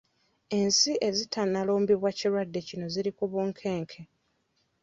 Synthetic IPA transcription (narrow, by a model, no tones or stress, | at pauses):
e̞nsiʔe̞zitʰanːalo̞ːmbiβwaciɾwadːe̞cino̞ziɾikuβuːŋkʰe̞ːŋkʰe̞